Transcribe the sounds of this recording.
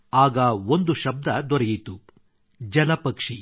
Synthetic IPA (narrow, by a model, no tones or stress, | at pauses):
aːɡɐond̪uʃɐb̚d̪ɐd̪ɔɾɐjit̪u | d͡ʒɐlɐpɐkʂi